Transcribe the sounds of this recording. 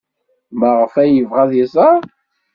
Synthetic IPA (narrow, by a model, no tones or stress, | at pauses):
məʁfæjəvʁæðisæ